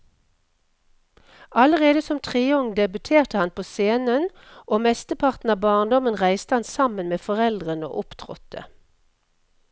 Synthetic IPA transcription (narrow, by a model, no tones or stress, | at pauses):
ɑləʁeːd̪əsɔmt̪ʰʁɪɔŋd̪ɛbʉt̪ʰeːʁt̪əhɑnpʰoːseːnən | ʔoːmɛst̪əpʰɑʁt̪n̩ɑːbɑːʁnd̪ɔmənʁæɪst̪əhɑnsɑmənmeːfɔʁɛld̪ʁəno̰ːʔʊpt̪ʰʁɔ̰t̪ʰə̰